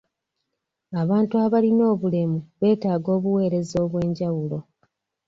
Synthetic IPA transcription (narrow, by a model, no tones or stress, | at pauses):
aβaːntuaβalino̞ːβule̞muβe̞ːtaːɡo̞ːβuwe̞ːɾe̞zo̞ːβwe̞ːɲɟawulo̞